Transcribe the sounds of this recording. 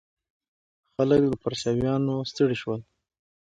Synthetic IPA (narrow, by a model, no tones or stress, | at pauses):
xaləkd̪əpaɾsɑwjɑnost̪əɽiʃwəl